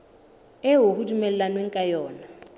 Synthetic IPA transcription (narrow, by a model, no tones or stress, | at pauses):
ɛɦohudumɛlɛlanwɛŋ̩kʼajɔːna